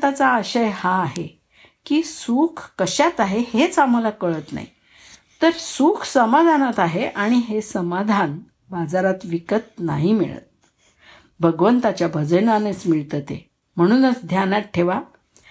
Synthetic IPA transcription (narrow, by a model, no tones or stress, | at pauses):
t̪at͡saːɕəjhaːɦe | kiːsuːkʰːəɕat̪aɦehet͡samalakəɭət̪na̰ɦḭ | t̪əɾsukʰsəmad̪ʱanat̪aɦeʔaɽ̃iɦesəmad̪ʱan | bad͡zaɾat̪ʋikət̪̚na̰ɦimḭɭə̰t̪̚ | bʱəɡʋənt̪at͡ɕjabʱəd͡zənanet͡smiɭt̪ət̪ḛ | m̤əɽ̃uːnət͡sd̪ʱjanat̪̚ʈʰeʋa